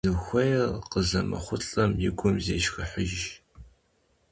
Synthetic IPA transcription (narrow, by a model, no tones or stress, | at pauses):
zɨxʷɐjɛrqəzɐmɐ̰χʷʊɬʼɐmjɪɡʷʊmzeːʃxɨħʊʒʒ